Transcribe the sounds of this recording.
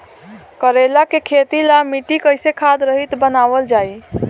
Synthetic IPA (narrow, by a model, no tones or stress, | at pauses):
kəɾelakekʰet̪ilamiʈikəjsekʰad̪ɾəɦit̪bənabəld͡ʒai